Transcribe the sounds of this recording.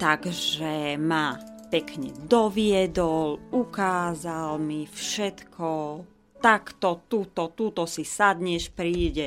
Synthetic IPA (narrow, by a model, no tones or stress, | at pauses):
t̪aɡʒɛmapɛkɲɛ̰d̪ɔʋɪɛd̪ɔlukaːzalmifʃɛt̪kʰɔ | t̪akt̪ɔt̪ut̪ɔt̪uːt̪ɔsisad̪ɲɛʃpɾiːɟɛ